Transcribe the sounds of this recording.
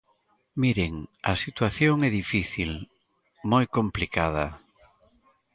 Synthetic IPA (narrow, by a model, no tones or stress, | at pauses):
miɾeŋɐsit̪waθjoŋɛðifiθil | mojkõmplikaðɐ